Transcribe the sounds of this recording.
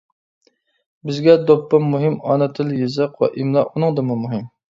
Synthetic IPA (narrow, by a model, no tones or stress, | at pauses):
bɪzɡʲɛd̪opːɑmuɦɪmɑnɨt̪ʰɨlˠjezɨqwɛ̰ʔimlˠɑʔunɨŋd̪ɨmumuɦɨm